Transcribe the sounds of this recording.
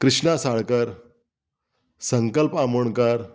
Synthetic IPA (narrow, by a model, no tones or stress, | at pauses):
kɾiʂɳasaɭkəɾ | səŋkəlpamuɳkəɾ